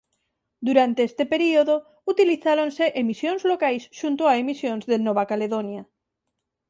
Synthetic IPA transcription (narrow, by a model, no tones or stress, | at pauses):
d̪uɾant̪eest̪epeɾioðo | ut̪iliθaɾonseʔemisjonzlokajsʃunt̪oaemisjonzðenoβ̞akaleðonja